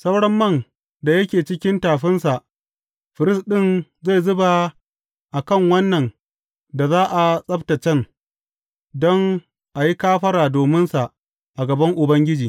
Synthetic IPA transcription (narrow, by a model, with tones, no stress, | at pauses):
sɐ˦wɽɐ˦mːɐ˦˨n | da˨jɐ˦kʲeː˨t͡ʃɪ˦kʲɪ˦ntaː˨ɸɪ˦nsa˨ʔ | ɸɪ˨ɾɪ˦sɗɪ˦nza˦˨zʊ˦ba˨ | ʔa˨kɐ˦˨ŋwɐ˦nːɐ˨n | da˨zaː˦ʔa˨sʼɐ˦btɐ˨t͡ʃɛ˦n | dɔ˦ŋ | ʔa˨ji˦kaː˦ɸɐ˦ɾaː˨doː˨mɪ˦nsa˨ʔ | ʔa˨ɡɐ˨bɐ˦ŋʔʊ˨bɐ˦ŋɡʲɪ˦d͡ʒiː˨